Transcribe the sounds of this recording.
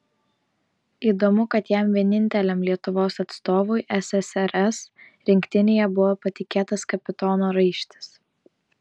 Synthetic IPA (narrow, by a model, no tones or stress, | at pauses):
iːd̪omʊkɐt̪jɛˑmʋʲiɛnʲɪnʲt̪ʲɛlʲɛmlʲiɛt̪ʊʋoːsɐt̪st̪oːʋʊɪʔɛsɛsɛɾɛs | ɾʲɪŋʲkt̪ʲɪnʲeːjɛbʊʋoːpɐt̪ʲɪkʲeːt̪ɐskɐpʲɪt̪ɔːnoːɾɐɪʃʲt̪ʲɪ̥s